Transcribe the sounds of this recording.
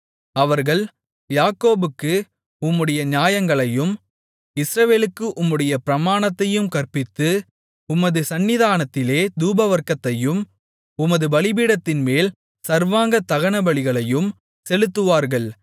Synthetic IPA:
ɐʋɐɾɣɐɭ | jaːkoːbɯkːɯ | ʊmːɯɽɐjɐɲaːjɐŋɡɐɭɐjɯm | ɪsɾɐʋeːlɯkːɯʔʊmːɯɽɐjɐpɪɾɐmaːnɐt̪ːɐjɯmkɐɾpɪt̪ːɯ | ʊmɐðɯsɐnːɪðaːnɐt̪ːɪleːd̪uːbɐʋɐɾkːɐt̪ːɐjɯm | ʊmɐðɯbɐɭɪbiːɽɐt̪ːɪnmeːl | sɐɾʋaːŋɡɐt̪ːɐɣɐnɐbɐɭɪɣɐɭɐjɯm | sɛlɯt̪ːɯʋaːɾɣɐɭ

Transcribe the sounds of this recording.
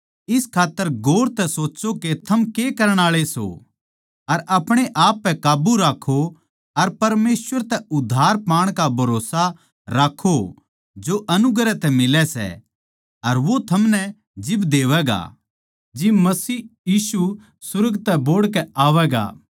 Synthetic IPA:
ɪskʰaːt̪ːəɾɡoːɽt̪ɛsoːt͡ʃoket̪ʰɐmkekɐɾəɽ̃aːɭeso̰ | ɐɾʔɐpɽ̃eʔaːpːɛkaːbuɾaːkʰo | ɐɾpɐɾmeːsʋəɾt̪ɛʊd̪ʱːaːɾpaːɽ̃kabʱɐɾoːsa | ɾaːkʰːo | d͡ʒoʔɐnʊɡɾɛt̪ɛmɪlɛsɛ̰ | ɐɾʋot̪ʰɐmnɛ | d͡ʒɪbd̪eːʋɛɡa̰ | d͡ʒimɐsiːjiːsu | sʊɾɡt̪ɛboːɽkɛaːʋɛːɡa̰ː

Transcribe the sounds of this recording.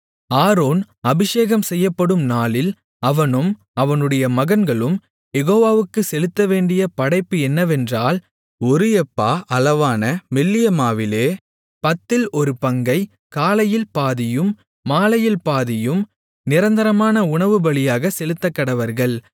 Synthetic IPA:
aːɾoːn | ɐbɪʂeːɣɐmsɛjːɐpːɐɽɯmnaːlɪl | ɐʋɐnɯm | ɐʋɐnɯɽɐjɐmɐɣɐnɡɐɭɯm | jɛɣoːʋaːʋɯkːɯsɛlɯt̪ːɐʋeːɳɖɪjɐpɐɽɐɪpːɯɛnːɐʋɛndraːl | ɔɾɯɛpːaːʔɐlɐʋaːnɐmɛlːɪjɐmaːʋɪleː | pɐt̪ːɪlɔɾɯpɐŋɡɐɪ | kaːlɐjɪlpaːðɪjɯmː | aːlɐjɪlpaːðɪjɯm | nɪɾɐnd̪ɐɾɐmaːnɐʊɳɐʋɯbɐɭɪjaːɣɐsɛlɯt̪ːɐkːɐɽɐʋɐɾɣɐɭ

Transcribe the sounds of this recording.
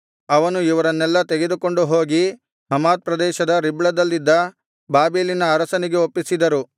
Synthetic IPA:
ɐʋɐnuiʋɐɾɐnːɛlːɐt̪eɡe̞d̪uko̞ɳɖuɦo̞ːɡi | ɦɐmaːt̪̚pɾɐd̪ɛːʃɐd̪ɐɾibɭɐd̪ɐlːid̪ːɐ | baːbeːlinɐːɾɐsɐniɡe̞opːisid̪ɐɾu

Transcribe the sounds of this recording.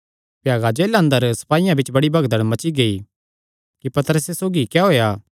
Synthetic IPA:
pjaːɡad͡ʒeːlə̃nd̪əɾsɐ̥paːijãbɪt͡ʃbɐɽibʱɐɡd̪əɽ̃mɐt͡ʃiɡei | kipɐt̪ɾəsesoːɡikɛɦoːjaː

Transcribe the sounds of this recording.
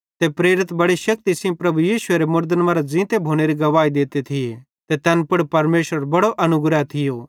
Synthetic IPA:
t̪epɾeːɾɪt̪bɐɽiʃɐk̚t̪isɪ̃pɾɐbujiːʃʊeɾemʊɾd̪ənmaːɾad͡zĩːt̪ebʱoːɽ̃eɾiɡɐʋaːid̪eːt̪et̪ʰɪje | t̪et̪ɛnpʊɽpɐɾmeːʃɾəɾbɐɽoʔɐnʊɡɾat̪ʰɪjo

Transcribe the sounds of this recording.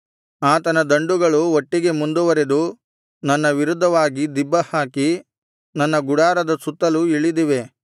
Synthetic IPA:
aːt̪ɐnɐd̪ɐɳɖuɡɐɭuoʈːiɡe̞mund̪uʋɐɾed̪u | nɐnːɐʋiɾud̪ʱːɐʋaːɡid̪ibːɐhaːki | nɐnːɐɡuɽaːɾɐd̪ɐsut̪ːɐluiɭid̪iʋe̞

